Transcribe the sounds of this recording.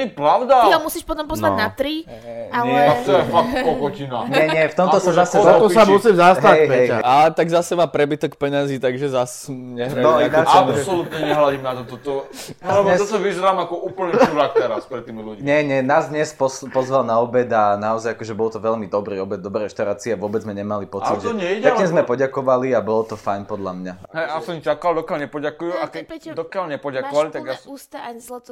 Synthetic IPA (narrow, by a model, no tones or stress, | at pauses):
pɾaʊd̪aiɦɔmusiːʃpɔt̪ɔmpɔzʋanat̪ɾi | aɲɛat̪ɔjɛfak̚t̪pɔkɔcinaɲɛɲɛft̪ɔmt̪ɔsazasɛzt̪ɔsamusizasɦ̪aɛjɛjalɛt̪aɡzasɛmaːpɾɛbit̪ɔkpɛɲaziːt̪aɡʒɛzasɲɛɦɾɛɔasɔlut̪ɲɛɲɛɦlaɟimnat̪ɔt̪ɔt̪ɔlɛɲɛt̪ɔt̪ɔʋizɛɾamakɔuːpl̩ɲɛuɾak̚t̪ɛɾaspɾɛt̪ːiːmiluɟiɲɛɲɛnaːzd̪ɲɛspɔspɔzʋalnaɔbɛd̪anaɔzajakɔʒɛbɔlt̪ɔʋɛlmid̪ɔbɾiːɔbɛd̪̚d̪ɔbɾɛɾɛʃt̪aʊɾaːt͡siɛaʋʊɔbɛd͡zmɛɲɛmalipɔt͡sidʒɛɔɲɛiɛkɲɛzmɛpɔɟakɔʋaliabɔlɔt̪ɔfajɲpɔd̪lamɲaɦɛjasɔmt͡ʃakald̪ɔkalɲɛpɔɟakujuakɛd̪ɔkalɲɛpɔɟakɔʋalit̪aɡjas